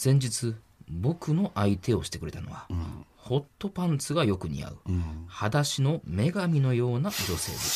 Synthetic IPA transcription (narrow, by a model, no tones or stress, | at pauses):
z̥ẽ̞ɲ̟d͡ʑit͡sɨ | bo̞kɯ̟no̞ʔait̪ʰe̞o̞ɕi̥t̪e̞kɯ̟ɾe̞t̪ano̞̰βa | ho̞t̪ːo̞pãnt͡sɨɡajo̞kɯ̟ɲ̟ḭa̰ɯ̟had̪aɕino̞me̞ɡamʲino̞jo̞ːnad͡ʑo̞se̞̰ːd̪es